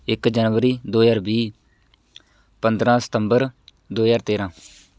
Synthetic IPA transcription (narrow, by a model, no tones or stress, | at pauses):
ɪkd͡ʒənʋəɾiːd̪oːjaːɾbiː | pənd̪ɾãːsə̥t̪əmbəɾ | d̪oːjaːɾt̪eːɾãː